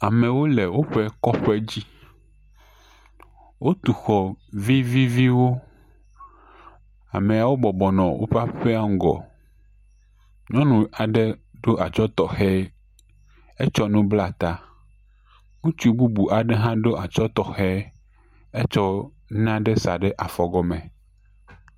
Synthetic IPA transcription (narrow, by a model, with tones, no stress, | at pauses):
a˨mẽ˨wo˦lɛ˨wo˦ɸɛ˦kɔ˦ɸɛ˦d͡ʑi˦ | wʔo˦t̪u˨xɔ˨vi˦vi˦vi˦wo˦ | a̰˨me˨a˨wo˦bɔ˨bɔ˨nɔ̃˨wʔo̰˦ɸa˦ɸe˦a˦ŋ˦ɡɔ̰˨ | ɲɔ̃˦nũ˨a˨ɖɛ˦ɖo˦ʔa˨t͡ʃɔ˦t̪ɔ˨xɛ˦ | e˦t͡ʃɔ˦nũ˦bla˨t̪a˦ | ŋũ˦t͡ʃi˦bu˦bu˨ʔa˨ɖe˦ɦã˦ɖo˦ʔa˨t͡ʃɔ˦t̪ɔ˨xɛ˦ | e˦t͡ʃɔ˦ | n˦ã˦ɖe˦sa̰˨ɖɛ˦ʔa˨fɔ˨ɡɔ˨mẽ˨